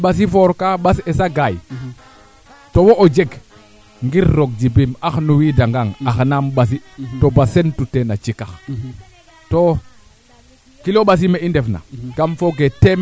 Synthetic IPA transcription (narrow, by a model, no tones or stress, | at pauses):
ɓas̬ifoɾkaɓasesaɡaj | towoʔod͡ʒeɡ | ŋɡiɾːoɡ̚d͡ʒibimaxnuwidaŋɡaŋaxnamɓas̬itobasentutenat͡ʃikax | to | kiloɓas̬imeindefna̰kamfoɡetem